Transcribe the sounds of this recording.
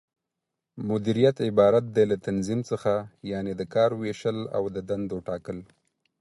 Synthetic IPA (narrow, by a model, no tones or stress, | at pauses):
mʊd̪iɾijat̪ɪbɑɾat̪̚d̪elat̪anzimt͡səxajɑned̪əkɑɾweʃəla̰wd̪əd̪and̪oʈɑkəl